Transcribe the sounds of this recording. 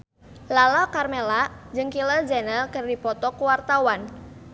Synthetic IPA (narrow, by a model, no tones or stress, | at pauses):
lalakarmelad͡ʒɨŋkiləd͡ʒɛnəlkərdipɔt̪ɔkuwart̪awan